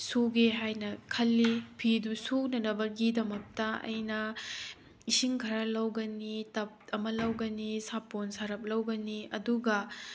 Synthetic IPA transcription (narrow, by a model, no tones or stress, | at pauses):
suɡeɦajnɐkʰɐlːipʰidusunɐnɐbɐɡidɐmɐk̚tɐɐ̰jnɐ | isiŋkʰɐɾɐlɐwɡɐnitɐp̚ɐmɐlɐwɡɐnisaponsɐɾɐp̚lɐwɡɐniɐduɡɐ